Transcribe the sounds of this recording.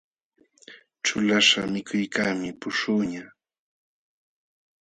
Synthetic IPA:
ʈ͡ʂʊlaʂamɪkʰʊjkaːmɪpʊʂʊːɲa

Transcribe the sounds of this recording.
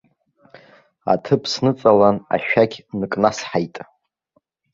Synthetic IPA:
a̰tʰɨpʰsnɨt͡sʼalana̰ʃᶣaɡʲnɨkʼnasħajtʼ

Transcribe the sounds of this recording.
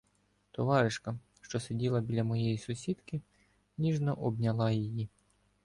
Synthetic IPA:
t̪ɔʋɑɾɪʃkɐ | ʃt͡ʃɔsedʲilˠɐbʲilʲɐmɔjɛjisʊsʲid̪kɪ | nʲiʒnɔʔɔbnʲɐlˠɑjiji

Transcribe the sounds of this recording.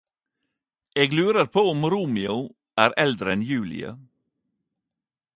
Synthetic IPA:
eːɡlʉːɾəɾpʰoːʊmɾuːmɪʊ | ʔæːɾɛld̪ɾəɛnjʉːlɪ̰ə̰

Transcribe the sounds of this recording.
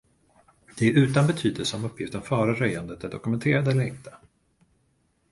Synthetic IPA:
d̪̥ɛæɾʉ̟ːt̪anbɛt̪ʰyːd̪əlsəɔmɵpʰːjɪft̪ənfœːɾaɾœjand̪ət̪æɖɔ̰kɵmɛnt̪ʰeːɾad̪əɛlːəɾɪ̰nt̪ə̥

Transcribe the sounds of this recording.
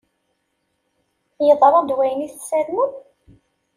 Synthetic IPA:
jəðˤəɾˤɑd̪wæjəniθsæɾmə

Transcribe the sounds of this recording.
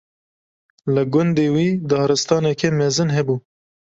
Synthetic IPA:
lɨɡʊnd̪eːwiːd̪ɑːɾɨst̪ɑːnɛkʰemɛzɨnɦɛbuː

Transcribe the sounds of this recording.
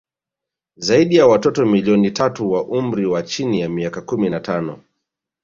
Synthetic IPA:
zaiɗijawatɔtɔmiliɔnitʰatuwaʔumɾiwat͡ʃinijamiakakuminatanɔ

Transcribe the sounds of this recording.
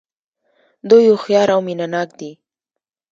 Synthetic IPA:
d̪ojoxjɑɾawminanɑk̚d̪i

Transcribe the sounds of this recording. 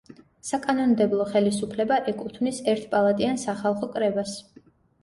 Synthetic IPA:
sakʼanɔnmd̪ɛblˠɔχɛlisupʰlɛbaʔɛkʼut̪ʰvnisɛɾt̪ʰpʼalˠat̪ʼiansaχalˠχɔkʼɾɛbas

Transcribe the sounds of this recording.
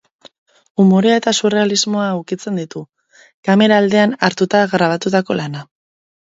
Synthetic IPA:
umo̞ɾeae̞t̪asure̞alizmo̞aukit͡se̞nd̪it̪u | kame̞ɾaːld̪e̞anaɾt̪ut̪aɣɾaβ̞at̪ut̪ako̞lana

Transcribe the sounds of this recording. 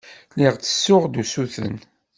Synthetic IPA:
lɪʁt͡sːə̥sːʊʁd̪usuθə̰n

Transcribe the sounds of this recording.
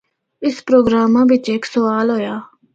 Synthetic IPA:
ɪspɾoːɡɾaːmãːʋɪt͡ʃeksəʋaːlɦoːjaː

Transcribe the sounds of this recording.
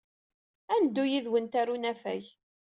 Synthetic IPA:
ænd̪ːujiðwənt̪ærunæfæ̰ç

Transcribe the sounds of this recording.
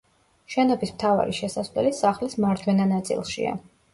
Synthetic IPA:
ʃɛnɔbismt̪ʰava̰ɾḭʃɛsasvlɛ̰lisaχlismaɾd͡ʒ̪wɛnanat̪sʼḭlˠʃḭa̰

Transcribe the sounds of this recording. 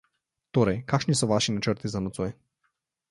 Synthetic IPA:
t̪oɾɛjkaʃnisɔvaʃinat͡ʃəɾt̪izanɔt̪sɔɛ

